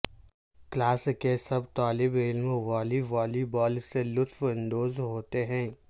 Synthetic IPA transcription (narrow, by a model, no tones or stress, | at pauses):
klaːskesɐbt̪aːlɪbɪlmʋaːliʋaːlibɔːlselʊt̪fɪ̃nd̪oːzɦoːt̪eɦɛ̃ː